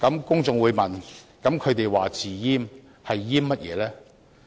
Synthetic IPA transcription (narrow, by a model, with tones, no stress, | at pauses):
kɐ˨˥mkʊ˥ŋt͡sʊ˧ŋwuː˨˧jmɐ˨nkɐ˨˥mkʰɵ˨˧ɥt̪e˨jwaː˨t͡siː˨˩jiː˥m | hɐ˨jːiː˥mːɐ˥t̚jɛ̰ː˨˧lɛː˥